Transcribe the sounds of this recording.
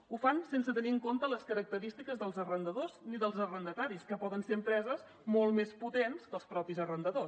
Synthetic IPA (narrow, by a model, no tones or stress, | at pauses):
ufansensət̪əniəŋkont̪ələskəɾək̚t̪əɾist̪ikəzðəlˠzərənd̪əðozniðəlˠzərənd̪ət̪aɾiskəpɔðənseəmpɾɛzəz | molˠmesput̪enskəlˠspɾɔpizərənd̪əðos